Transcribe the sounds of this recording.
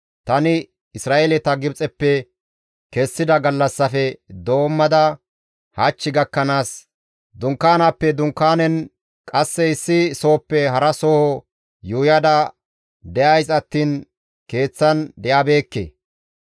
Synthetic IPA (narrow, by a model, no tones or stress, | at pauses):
t̪ɐnɪ | ɪsɾaːʔelɛt̪ɐɡɪbt͡sʼɛpːɛ | kɛsːɪd̪ɐɡɐlːɐsːɐfɛd̪o̞ːmːɐd̪ɐ | hat͡ʃːɪɡɐkːɐnaːs | d̪ʊŋkːaːnapːɛd̪ʊŋkːaːnɛn | kʼɐsːɛɪsːɪso̞ːpːɛɦɐɾɐsoːhɔ | juːjɐd̪ɐ | d̪ɛʔɐjsɐt̪ːiːn | ke̞ːt͡sːɐnd̪ɛjaːbe̞ːkːḛ